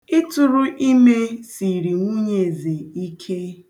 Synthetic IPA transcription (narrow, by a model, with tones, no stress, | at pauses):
ɪ˦tʊ˨ɾʊ˦ʔi˦me˦si˨ɾi˨ŋʷu˦ɲe˦˨ze˨i˦kʰe˦